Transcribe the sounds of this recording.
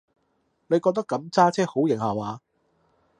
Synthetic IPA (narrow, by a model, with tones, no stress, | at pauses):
ne˨˧jkɔː˧k̚t̪ɐ˥kːɐ˨˥mt͡saː˥t͡sʰɛː˥ho˨˥wjɪ˨˩ŋhaː˨waː˨˧